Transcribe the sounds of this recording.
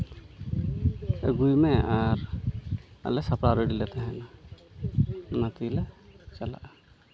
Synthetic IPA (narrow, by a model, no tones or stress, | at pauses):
əɡujmɛaɾ | a̰lɛsapɽaɾəɖilɛt̪aɦɛ̃na | mat̪ilɛt͡ʃala̰ʔ